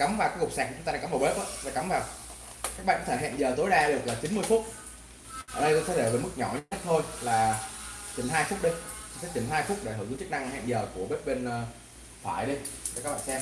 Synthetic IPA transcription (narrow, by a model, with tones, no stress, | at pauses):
ka˨˦mvaː˨˩kːkk͡p̚saː˨˩˨aː˧a˨˦vːwɓe˦˥p̚ʔaː˨˧˦aː˨˩ka˨˦mvaː˨˩w | kaː˦˥k̚ɓa̰ː˧˨kɔ˧t̪ʰɦɛ̰˧˨nzəː˨˩t̪o˨˦jɗaː˧ɗɨ˨˩ək̚laː˨˩t͡ɕi˨˦nmɨ˧əjfʊ˦˥t̚ | ʔə̰ː˧˩ɗə˧jkɔ˧˦˥t̪ʰe˨˦e˧˩veː˨˩mɨ˦˥k̚ɲɔ˧˩ɲ˧˦ə˦˥t̪ʰo˧jlaː˨˩t͡ɕḭ˨˧˩nɦaː˧jfʊ˦˥k͡p̚ɗi˧se˨˦˥t͡ɕi˧˩nɦaː˧jfʊ˦˥k͡p̚ɗe˧˩həː˧˩zɨ˨˦t͡ɕɨ˦˥k̚na˧ŋhɛ̰ː˧˨nzəː˨˩ku˧˩əɓe˦˥p̚ɓe˧nː˧ | t̪ʰaː˧˩jɗi˧e˧˩kaː˦˥ɓa̰ː˧˨˧sɛ˧